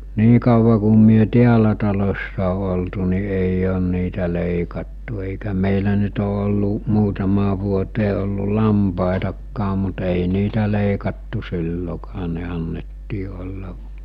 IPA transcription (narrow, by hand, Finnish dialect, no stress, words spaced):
niː kɑuʋɑ ku myø tiælæ tɑlosːɑ o oltu ni eij on niːtæ leˑikɑtːu eˑikæ meˑilæ nyt o olːu muːtɑmɑː ʋuoteː olːu lɑmpɑˑetɑkːɑː mut eˑi niːtæ leˑikɑtːu silːokɑː ne ɑnːetːiː olːɑ